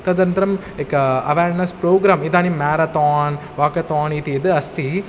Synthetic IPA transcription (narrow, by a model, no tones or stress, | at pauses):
t̪ɐd̪ɐnd̪ɾɐm | ekːɐɐʋeːɾnɐspɾoːɡɾaːmid̪aːnimeːɾɐt̪aːn | ʋaːkɐt̪aːnit̪iɪd̪ɯɐst̪i